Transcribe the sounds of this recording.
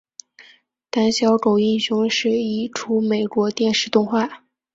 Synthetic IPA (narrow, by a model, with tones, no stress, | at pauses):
t̪a˥nɕjɑ˧˥ʊko˨˩ʊi˥˩nɕʊ˧˥ŋʂɻ̩˥˩i˥˩ʈ͡ʂʰu˥me˨˩ɪkwɔ˧˥t̪jɛ˥˧nʂɻ̩˥˧t̪ʊ˥˧ŋxwa˥˩